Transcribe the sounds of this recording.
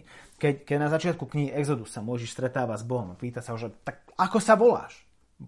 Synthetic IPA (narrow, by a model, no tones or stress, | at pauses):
kɛckɛɟnazat͡ʃɪat̪̚kukɲiɦiʔɛɡzɔd̪ussamɔjʒiʃst̪ɾɛt̪aːʋazbɔɦɔmapiːt̪asaɦɔʒɛt̪ak̚akɔsaʋɔla̰ːʃ